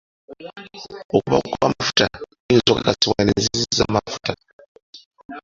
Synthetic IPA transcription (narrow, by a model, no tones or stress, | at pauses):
okuβa̰kukoβamafu̥tanenizokakasiβwanezizizamafu̥tʰa